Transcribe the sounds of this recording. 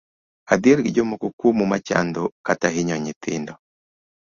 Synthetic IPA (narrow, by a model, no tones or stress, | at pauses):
ad̪iɾɡiɟomukukumumat͡ʃa̰nd̪okataɦiɲɔɲitiːndɔ